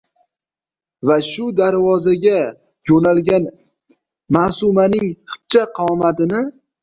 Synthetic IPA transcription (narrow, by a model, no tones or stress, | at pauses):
vaʃʊd̪aɾvɒzaɡʲa | jonalɡʲan | maːsʊmanɪŋhɪ̥p̚t͡ʃʰaqʰɑmat̪ɪnɪ